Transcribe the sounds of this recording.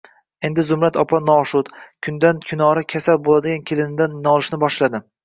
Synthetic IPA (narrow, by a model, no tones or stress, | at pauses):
e̞nd̪ɪzʊmɾat̪ʰɒpʰanɒʃʊt̪kʲʰʊnd̪ankʲʰʊnɒɾɪkʲʰasalbolad̪ɪɡʲankʲʰelɪnɪd̪anːɒlˠɪʃnɪbɒʃlad̪ɪ